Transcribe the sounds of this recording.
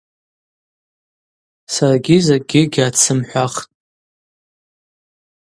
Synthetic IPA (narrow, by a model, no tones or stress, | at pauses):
saraɡʲizaɡʲɪɡʲat͡sʰɨmħʷaχtʼ